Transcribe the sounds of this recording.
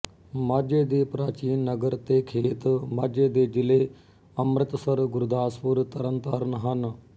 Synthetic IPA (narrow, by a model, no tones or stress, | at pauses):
maːɾd͡ʒeːd̪eːpɾaːt͡ʃiːnːəɡəɾt̪eːkʰeːt̪maːɾd͡ʒeːd̪eːd͡ʒɪleː | əmɾət̪səɾɡʊɾd̪aːspuɾt̪əɾənt̪əɾnɦən